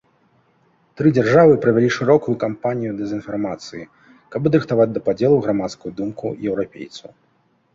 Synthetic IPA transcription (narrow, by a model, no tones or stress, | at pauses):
t̪ɾɨd͡zʲarʐavɨpɾɐvʲɛlʲiʂɨɾɔkujukampanʲijud̪ɛzʲɨnfarmat̪sɨji | kabɐd̪ɾɨxt̪avad͡zʲd̪ɐpad͡zʲɛlˠuɣɾamat̪skujud̪umkujɛwɾapʲḛjt̪sɐw